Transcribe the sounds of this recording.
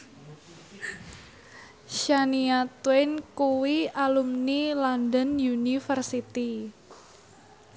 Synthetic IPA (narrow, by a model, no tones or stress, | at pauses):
ʃaniat̪wɛnkuwialumnilɔndənjunifərsit̪i